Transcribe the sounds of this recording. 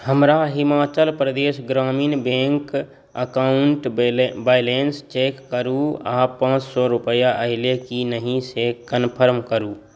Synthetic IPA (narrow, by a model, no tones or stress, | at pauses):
həmɾaɦimaːt͡ʃəlpɾəd̪eːsɡɾaːmiːnbẽŋk | əkaʊɳʈbajlenst͡ʃeːkːəɾuapãːt͡ʃsɔɾupəjaʔəɦɪlekinəɦĩsekənpʰəɾmkəɾu